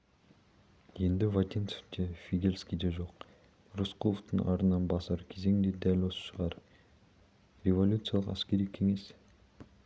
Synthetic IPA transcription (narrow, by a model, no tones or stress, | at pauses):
je̞nd̪ɪvat̪ʲinse̥fd̪efʲiɡʲelʲskʲijd̪eʒo̞q | rosqʰoəft̪əŋʔɑ̰ɾənɑnbɑsɑɾkʲʰeze̞ŋd̪e̞d̪ælʲwo̞sə̥ʃəʁɑɾ | rʲevo̞lʲut̪sɨjɑlˠəqæ̰skʲe̞ɾikʲʰːe̞ŋe̞s